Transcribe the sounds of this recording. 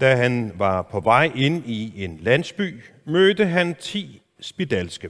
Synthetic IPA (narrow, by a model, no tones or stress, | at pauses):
d̥æɦænʋɑ̈pʰɒ̽ʋɑ̈ɪ̰e̝nie̝nlæn̰sb̥y̰ː | mød̥əɦænt͡sʰḭː | sb̥id̥ælsɡ̥ə